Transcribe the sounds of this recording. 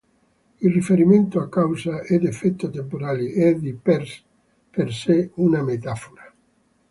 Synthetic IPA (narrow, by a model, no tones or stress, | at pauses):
ilrifeɾiment̪oakːawsaed̪efɛt̪ːot̪empoɾaːliʔɛd̪ipeɾs | perseunamet̪afoɾa